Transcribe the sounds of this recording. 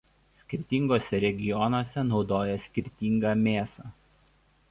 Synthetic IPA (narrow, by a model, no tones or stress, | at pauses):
sʲkʲɪɾʲt̪ʲiːˑŋɡoːsʲɛɾʲɛɡʲɪjɔnoːsʲɛnɒʊd̪oːjɛsʲkʲɪɾʲt̪ʲiːˑŋɡɐːmʲeːsɑ